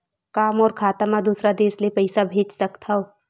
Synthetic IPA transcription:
kaːmɔːɾkʰaːt̪mad̪uːsɾad̪eːsliepɐɪsabʱeːd͡ʒsɐkt̪ʰaoː

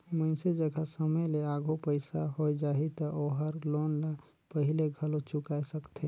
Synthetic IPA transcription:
məɪsed͡ʒəɡʱəsəməjleaɡʱopəɪsaɦojd͡ʒaːɦit̪ɔʔoɦəɾlonla | pəɦɪleɡʱəlot͡ʃʊkaesəkt̪ʰe

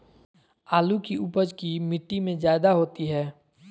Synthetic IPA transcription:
aːlukiupəd͡ʒkimɪʈːimẽzaːɪd̪aɦoːt̪iɦɛː

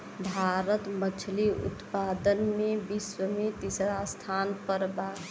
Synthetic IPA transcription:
bʱaːɾət̪mət͡ʃʰliʊ̰t̪paːd̪ənmebiswəmet̪isɾast̪ʰaːnpəɾbaː

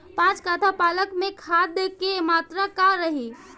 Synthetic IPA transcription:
pãt͡ʃkat̪ʰapaləkmẽkʰad̪əkemat̪ɾakaɾəɦi

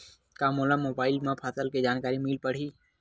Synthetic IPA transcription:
kamolamoːbaːɪlmẽpʰaːsəlked͡ʒaːnkaːɾimiːlpəɽ̤iː

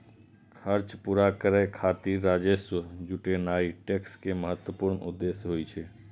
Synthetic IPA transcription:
kʰəɾt͡ʃpuːɾakəɾekʰaːt̪iːaːd͡ʒeʃwəd͡ʒʊʈenaːiʈekskeməɦət̪wəpʊɾnʊ̰d̪ːeːsjɦoːit͡ʃʰe

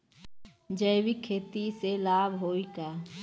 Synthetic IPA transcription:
d͡ʒəjbikʰeːt̪iselaːbʱɦoːikaː

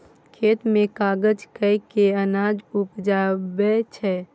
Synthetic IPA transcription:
kʰet̪mẽkaɡəd͡ʒkəjkeənad͡ʒupd͡ʒabɛt͡ʃʰɛ

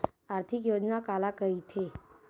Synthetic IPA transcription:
aɾt̪ʰikjod͡ʒnakalakəit̪ʰe

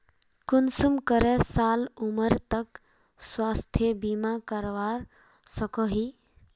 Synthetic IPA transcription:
kunsumkəɾɛsaluməɾt̪ək | swast̪ʰjəbimakəɾʋaɾ | səkəɦi

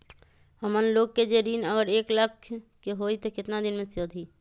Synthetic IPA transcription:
həmənloːɡ̚ked͡ʒeɾiːnəɡəɾeːkləkʰkeɦoːit̪okɪt̪nad̪ɪnmẽsəd̪ʰʱiː

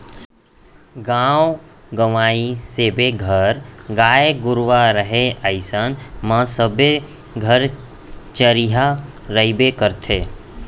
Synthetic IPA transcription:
ɡãːo | ɡəʋaːiseːbeɡʱəɾɡaːeɡʊɾʋaɾəɦeəɪsənmãsəbe | ɡʱəɾ | t͡ʃəɾiɦaɾəibekəɾt̪ʰeː

